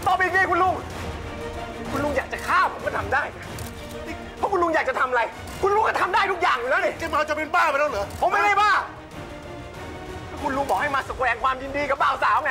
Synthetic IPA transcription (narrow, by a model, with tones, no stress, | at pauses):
t̪ɔː˧˩pi˧kiː˧˩kʰu˧nlu˧˩ŋ | kʰu˧nlu˧˥˩ŋjaː˨˩k̚t͡ɕa˨˩kʰaː˥˩pʰo˨˦mʰkɔː˧˥˩t̪ʰa˧mdaː˥˩j | i˧˩ | pʰɔ˦˥kʰu˧nlu˧˥˩ŋjaː˨˩k̚t͡ɕa˨˩t̪ʰa˧ma˧a˧j | kʰu˧nluː˧˥˩ŋkɔː˥˩t̪ʰa˧mdaː˥˩jt̪u˦˥k̚jaː˨˩ŋ˨lɤː˨˦˥keː˧˩maː˧wt͡ɕa˨˩pe˧npaː˥˩pna˦˥˩lɤː˨˦pʰo˨˦mːa˥˩jda˥˩jbaː˧˥˩ | pʰɔ˦˥˩kʰu˧nlu˧˥˩ŋbɔː˨˩ha˥˩jmaː˧so˨˩kwɛː˧˩ŋkʰwaː˧mjiː˧ndiː˧ka˨˩baː˧˩wsaː˨˦wŋa˧˩